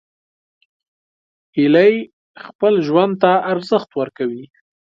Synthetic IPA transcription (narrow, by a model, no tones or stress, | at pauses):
iləj | xpəlʒwand̪̚t̪aːɾzəxt̪wəɾkawi